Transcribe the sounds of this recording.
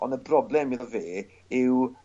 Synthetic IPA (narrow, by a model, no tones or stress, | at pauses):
ɔ̰̃ndəbrɔblˠɛmilˠveː | ɪw